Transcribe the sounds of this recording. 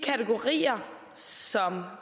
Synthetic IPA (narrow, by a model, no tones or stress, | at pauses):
kʰæt͡sʰeɡ̥o̝ʁḭːɐ | sɒ̽m